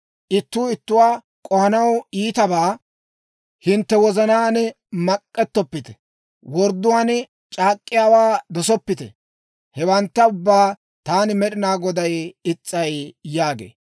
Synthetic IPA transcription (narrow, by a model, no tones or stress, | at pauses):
ʔɪt̪ːuːɪt̪ːʊwaː | kʼɔhɐnɐwiːt̪ɐbaː | hɪnt̪ːɛwɔzɐnaːnɛ | mɐkʼːɛt̪ːɔpːɪt̪ɛ̥ | wɔɾd̪ʊwaːn | t͡ʃʼaːkʼːɪjaːwaːd̪ɔsɔpːɪt̪ɛ̰ | hɛwɐnt̪ːɐʊbːaː | t̪aːnɪmɛɗɪnaːɡɔd̪ɐjɪt͡sʼːɐjjaːɡḛː